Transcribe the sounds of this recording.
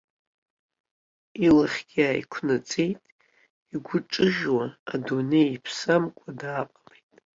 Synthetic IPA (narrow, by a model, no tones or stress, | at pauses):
ilɨχʲɡ̥ʲaːjḭkʷʰnat͡sʼe̞jtʼ | iɡʷʊʈ͡ʂʼɨʒwaadune̞jipʰsamkʷʼʰadaːqʼamejtʼ